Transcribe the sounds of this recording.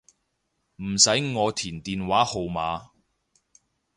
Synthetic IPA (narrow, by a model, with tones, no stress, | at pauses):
m̩˨˩sɐ˨˥jŋɔː˨˧t̪ʰiː˨˩nt̪iː˨nwaː˨˥ho˨wmaː˨˧